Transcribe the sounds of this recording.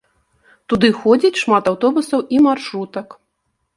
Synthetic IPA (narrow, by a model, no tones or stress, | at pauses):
t̪ud̪ɨxɔd͡zʲit͡sʲʂmat̪awt̪ɔbusɐwʔimarʂɾut̪ɐk